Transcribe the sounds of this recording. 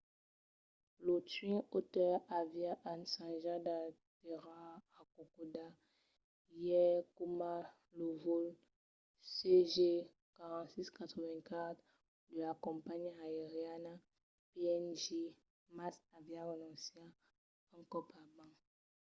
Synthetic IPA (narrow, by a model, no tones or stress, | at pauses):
lotɥĩotɛavjaʔansãnʒada | teʁaː | kokoda | jɛkuma | lovol | seʒe | kaʁãtsiskat̪χəvɛ̃kat̪ | dəlakɔ̃mpaɲaeʁiana | peɛnʒe | masavjaʁenɔ̃sia | ãŋkɔpabãŋ